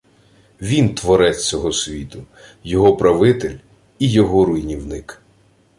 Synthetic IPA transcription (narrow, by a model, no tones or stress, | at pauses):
ʋʲint̪ʋɔɾɛt͡sʲt͡sʲɔɦɔsʲʋʲit̪ʊ | jɔɦɔpɾɐʋɪt̪ɪlʲ | ijɔɦɔɾʊjnʲiwnɪk